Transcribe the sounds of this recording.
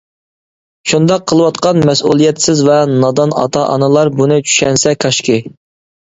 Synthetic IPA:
ʃund̪ɑqʰːəlˠəwɑt̪qɑnmɛsṵlˠijɛt̪sɪzvɛnɑd̪ɑnɑ̰t̪ʰɑʔɑ̰nɨlˠɑɾbunɨt͡ʃʰy̥ʃɛnsɛkʰɑʃkʲɪ

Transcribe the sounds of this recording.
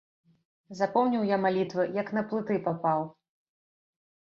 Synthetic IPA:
zapɔwnʲiwjamalʲit̪vɨjɐkn̪ɐplˠɨt̪ɨpapaw

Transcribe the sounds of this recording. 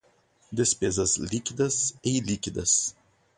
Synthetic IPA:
d̪ʲɛsʲpʲeːzɐslʲiːkʲɪd̪ɐsɛɪlʲiːkʲɪd̪ɐs

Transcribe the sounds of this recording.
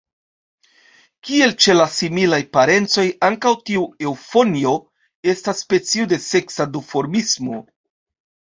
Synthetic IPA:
kie̞lt͡ʃe̞lasimilajpaɾe̞nt͡so̞jaŋkawtiue̞wfo̞nio̞ | e̞stasːpe̞t͡siude̞se̞ksadufo̞ɾmismo̞

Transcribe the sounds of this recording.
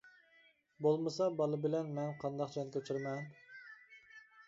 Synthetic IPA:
bolˠmɨsɑbɑlˠɨbɪlɛnmɛnqʰɑnd̪ɑqt͡ʃʰɑnkʲʰøt͡ʃʰiɾmɛn

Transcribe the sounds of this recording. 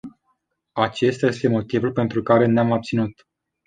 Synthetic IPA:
at͡ʃe̞st̪aje̞st̪e̞mo̞t̪ivulpe̞nt̪ɾukaɾe̞neamabp̚t̪sinut̪

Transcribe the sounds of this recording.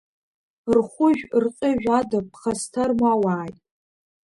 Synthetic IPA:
rχʷʊʒᶣrqʼɪʒᶣʷadapʰχɐstʰarmawaːjtʼ

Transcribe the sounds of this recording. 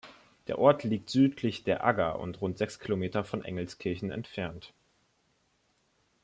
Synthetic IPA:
d̥eːɐʔɔɐtʰliːk̚tz̥yːtʰlɪçd̥eːɐʔaɡɐʔʊ̰ntʁʊntz̥ɛkskʰilomeːtɐfɔnʔɛ̰ŋl̩skʰɪɐçn̩ɛ̰ntfɛɐnt

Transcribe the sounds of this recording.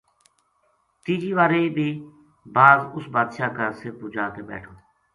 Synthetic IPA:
t̪iːd͡ʒiːʋaːɾeːbʱiː | baːzʊsbaːd̪ʃaːkəɾsɪpuːd͡ʒaːk̪eːbɛ̰ːʈʰoː

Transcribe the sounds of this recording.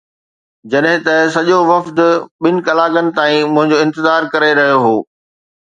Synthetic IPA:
d͡ʑɐɗɦɪ̃t̪ɐsɐʄoʋɐfd̪ɓɪnɪ̆kɐlaːɡənɪ̆t̪aːĩmʊ̃ɦɪ̃ɲd͡ʑoːɪ̃nt̪ɪzaːɾkɐɾeɾɐɦijoɦoː

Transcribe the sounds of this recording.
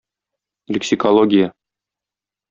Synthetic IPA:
lʲɪksʲikolˠoɡʲija

